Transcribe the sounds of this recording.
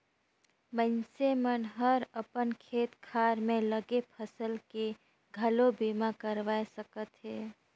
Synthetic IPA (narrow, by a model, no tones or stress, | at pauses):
mənsemənɦəɾəpənkʰet̪kʰaɾmeləɡepʰəsəlke | ɡʱəlobimakəɾʋaesəkət̪ɦɛ